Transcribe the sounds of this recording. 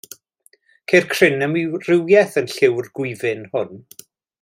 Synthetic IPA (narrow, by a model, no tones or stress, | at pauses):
kʰejrkʰr̥ɪnəmrɪwjɛθənɬɪwrɡ̥wɪvɪnhʊn